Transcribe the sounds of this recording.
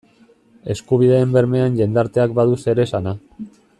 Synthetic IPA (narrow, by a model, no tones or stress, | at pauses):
e̞skuβ̞iðeːmbe̞ɾme̞anʎe̞nd̪aɾt̪e̞akbaðuse̞ɾe̞sana